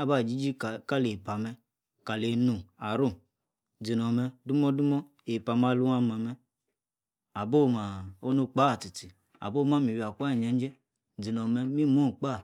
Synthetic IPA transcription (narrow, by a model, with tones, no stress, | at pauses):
a˦˨ba˦˨d͡ʒi˦d͡ʒi˦˨ka˦le˨pa˨mɛ˧ | ka˨le˨nu˨a˨ɾu˦˨ | d͡zi˨nɔ˨mɛ˧du˦mɔ˦du˦mɔ˦ | e˨pa˨ma˧lu˦a˧˨ma˨mɛ˧ | a˨bo˦˨ma˨o˦nu˧k͡pa˦˨ti˨ti˨ | a̰˨bo˦˨˦ma˦mi˨wi˨a˨kʷa˦˨ɲɛ˨˦n˦d͡ʒɛ˦ | d͡zi˨nɔ˨mɛ˧mi˦mu˦˨k͡pa˦˨